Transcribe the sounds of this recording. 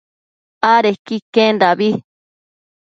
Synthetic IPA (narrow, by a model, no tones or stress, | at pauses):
aɾekikẽnd̪aβi